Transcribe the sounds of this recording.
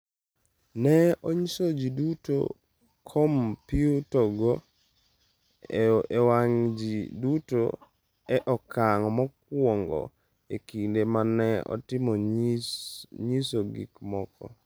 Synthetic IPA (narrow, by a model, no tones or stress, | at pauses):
nɛɔɲisod͡ʒiduto̰ | kʰɔmpiutɔɡɔ | waŋd͡ʒiduto̰ | ɛʔɔkʰaŋɔmɔk̚wɔŋɡɔ̰ | ekindemanɛɔ̰tɪmɔ | ɲisoɡḭkmɔkɔ̰